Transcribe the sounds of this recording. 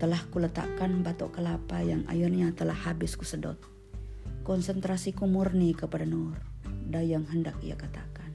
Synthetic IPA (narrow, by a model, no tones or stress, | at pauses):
t̪əlahkulət̪a̰kanbat̪ɔ̰ʔkəlapajaŋʔa̰junɲat̪əlahːabɪskusədɔ̰t̪̚ | kɔnsənt̪ɾasikumurnikəpadanurdajaŋɦəndak̚ḭja̰kat̪akan